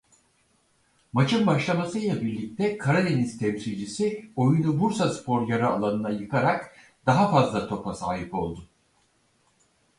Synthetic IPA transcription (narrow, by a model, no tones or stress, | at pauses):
mat͡ʃʰɯnbaʃlˠamasɯjlˠabiɾlʲic̚t̪ʰɛkʰaɾad̪e̞nist̪ʰɛmsilʲd͡ʒisio̞junubuɾsaspʰo̞ɾjaɾaalˠanɯnajɯkʰaɾak | d̪̥aɦafazlˠat̪ʰo̞pasa̰ːɦipo̞̰lˠd̪ʊ